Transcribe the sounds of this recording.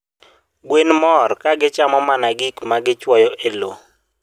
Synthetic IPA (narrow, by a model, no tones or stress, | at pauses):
ɡwenmɔrkaɡɪt͡ʃamɔmanaɡɪkmaɡɪt͡ʃwɔjɔʔelo